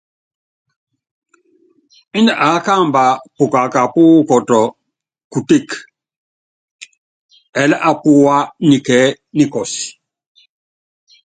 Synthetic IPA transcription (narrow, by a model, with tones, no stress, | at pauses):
i˦ndɛ˨ʔa˨˦ka˦˨mba˨pu˨ka˨ka˨pu˦kɔ˨tɔ˨ | ku˨te˦˨k | ɛ˨lɛ˦ʔa˨pu˦wa˦ni˨kɛː˨˦ | ni˦kɔ˨si̥˨